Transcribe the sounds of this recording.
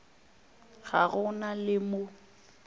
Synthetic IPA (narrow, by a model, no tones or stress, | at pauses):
ɣa̰ɣʊnalɪmo